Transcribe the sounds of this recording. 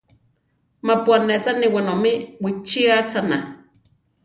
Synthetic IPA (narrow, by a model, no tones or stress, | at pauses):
mapuanet͡saniwanomiwit͡ʃiat͡sana